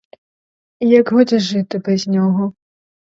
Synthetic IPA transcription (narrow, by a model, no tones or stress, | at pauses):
ijaɡɦɔd͡zʲɛʐɨt̪ɨpɾʲɛzʲnʲɔɣɔ